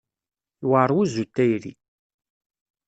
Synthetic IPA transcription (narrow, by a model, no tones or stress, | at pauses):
waɾˤwuzut̪ːæjɾḭ